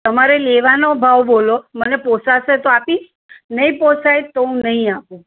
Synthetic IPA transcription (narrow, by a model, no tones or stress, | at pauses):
t̪əmaɾeleʋanobʱaʋboloməneposaʃet̪oapi | nəɦĩposajt̪oɦũnəɦĩapũ